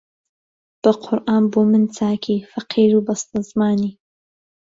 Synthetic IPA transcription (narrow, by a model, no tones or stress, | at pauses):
b̥ɐqʰʊɾʔaːnboːmɨnt͡saːkʰiːfɐqʰiːɾubɐst̪azmaːniː